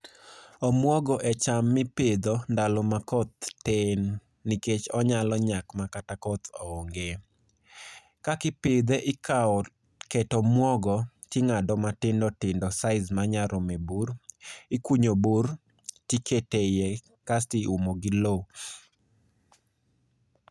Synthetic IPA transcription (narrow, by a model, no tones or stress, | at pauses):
ɔmwɔɡɔʔɛt͡ʃamːɪped̪ondalɔmakɔt̪ːenː | iket͡ʃɔɲalɔɲakmakatakɔt̪o̰oŋɡe | kakɪpɪd̪eʔɪkaɔ | kɛtɔmwɔɡɔ | tɪŋadɔmatɪndɔtɪndɔsaɪzmaɲaɾɔmeburɪkwuɲobur | tiketeje | kastɪʔumoɡɪlo